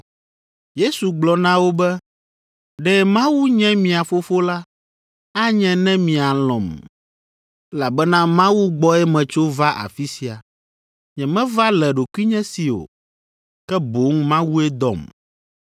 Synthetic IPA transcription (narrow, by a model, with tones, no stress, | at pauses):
je˦su˨ɡ͡blɔ˨nã˦wo˦bɛ˦ | ɖɛ˨mã˦wu˦ɲɛ̃˦mĩ˨a˨fo˦fo˦la˦ | a˦ɲɛ̃˨nɛ̃˦mĩ˨a˨lɔ̰̃˨m | ɛ˦la˨bɛ˦nã˦mã˦wu˦ɡ͡bɔ˦ɛ˦mɛ̃˨t͡ʃo˦va˦ʔa̰˨fi˦si˨a̰˨ | ɲɛ̃˨mɛ̃˦va˦lɛ˨ɖo˨kwi˦ɲɛ̃˦si˨o̰˨ | kɛ˦bo˨˦ŋmã˦wu˦ɛ˦d̪ɔ̰˨m